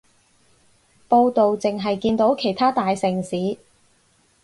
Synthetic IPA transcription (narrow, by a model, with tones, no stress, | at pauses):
po˧wt̪o˨wt͡sɪ˨ŋɦɐ˨jkiː˧nt̪o˨˥wkʰe˨˩jt̪ʰaː˥t̪aː˨jsɪ˨˩ŋsiː˨˥